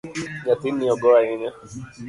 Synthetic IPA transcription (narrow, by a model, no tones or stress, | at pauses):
ɲatinĩɔɡɔɾaɲĩɲã